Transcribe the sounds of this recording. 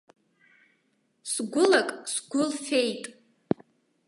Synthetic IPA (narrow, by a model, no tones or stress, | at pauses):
sɡʷʊlakʼsɡʷʊlfe̞jtʼ